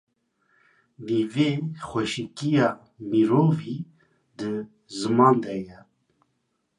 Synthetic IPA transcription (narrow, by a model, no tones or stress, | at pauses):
nivexʷɛʃikijɑː | miɾoːvi | d̪ɨ | zɨmɑːnd̪ɛjɛ